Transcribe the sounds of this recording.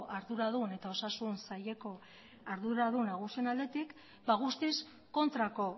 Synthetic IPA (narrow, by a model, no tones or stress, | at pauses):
ʔaɾðuɾað̞une̞t̪ao̞sasunsaje̞ko̞ | aɾðuɾaðunaɣ̞usienald̪e̞t̪ik | baɣ̞ust̪is | ko̞nt̪ɾako̞